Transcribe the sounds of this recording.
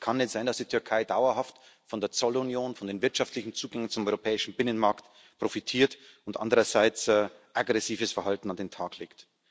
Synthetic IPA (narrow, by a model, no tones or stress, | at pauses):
kʰanɛsz̥aɪndasd̥iːtʰʏɐkʰaɪdaʊɐhaftfɔndeːɐt͡sɔlunjoːnfɔndeːnvɪɐtʃaftlɪçn̩t͡suːɡɛŋənt͡sʊmʔɔʏʁopʰɛːɪʃn̩bɪnənmaɐkt | pʁ̥ofitʰiːɐt | ʊntʔa̰ndəʁɐzaɪt͡sː | ʔaɡʁɛsiːvəsfɛɐɦaltn̩andeːntʰaːklḛːkt